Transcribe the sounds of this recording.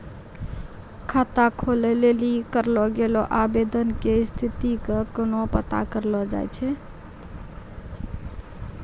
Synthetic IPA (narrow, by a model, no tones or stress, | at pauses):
kʰat̪akʰolelelikəɾlɔɡelɔʔabed̪ənkest̪ʰit̪ikəkonopət̪a̰kəɾlɔd͡ʒa̰jt͡ʃʰɛ